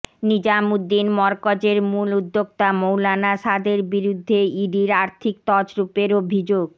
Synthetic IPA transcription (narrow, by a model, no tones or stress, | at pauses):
nid͡ʑamud̪ːinmɔɾkɔd͡ʑeɾmulud̪ːok̚t̪amowlanaʃad̪eɾbiɾud̪ʱːeiɖiɾaɾt̪ʰik̚t̪ɔd͡ʑɾupeɾobʱid͡ʑoɡ